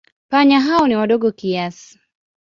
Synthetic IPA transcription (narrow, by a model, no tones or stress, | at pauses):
paɲaɦaɔniwaɗɔɠɔkiasi̥